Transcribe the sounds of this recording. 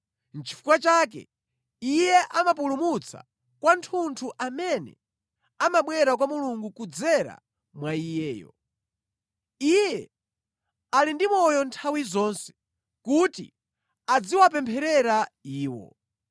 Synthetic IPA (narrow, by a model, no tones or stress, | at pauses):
nt͡ʃʰi̥fu̥kwat͡ʃakɛ̰ | ijɛʔamapulumut͡sʰa̰ | kwantʰuntʰuʔamɛnɛ̰ | amaɓwɛɾak̬wamuluŋɡukud͡zɛɾa̰ | mwaijɛːjɔ̰ | ijɛ | alindimɔjɔntʰawizɔnsɛ̥ | kutḭ | ad͡ziwapɛmpʰɛɾɛɾaiːwɔ̰